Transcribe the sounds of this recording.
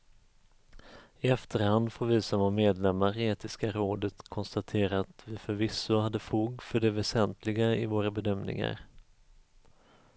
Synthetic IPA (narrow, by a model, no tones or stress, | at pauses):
ɪɛft̪əɾhand̪foːɾvisɔmɔmeːd̪lɛmːaɾeːt̪ɪskaɾoːd̪ət̪kʰɔnst̪at̪ʰeːɾaːt̪vɪfœɾvɪsːʊhad̪ːəfuːɡfœɖɛvɛsɛnt̪lɪɡaɪvoːɾabɛd̪œmnɪ̰ŋa̰ɾ